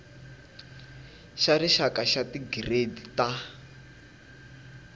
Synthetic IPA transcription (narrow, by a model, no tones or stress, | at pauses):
ʃariʃakaʃatiɡiredita